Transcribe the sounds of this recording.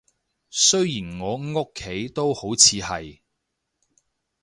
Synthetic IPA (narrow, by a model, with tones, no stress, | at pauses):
sɵ˥ɥjiː˨˩nŋɔː˨˧ŋo˥kʰːe˨˥jt̪o˥who˨˥wt͡sʰiː˨˧hɐ˨j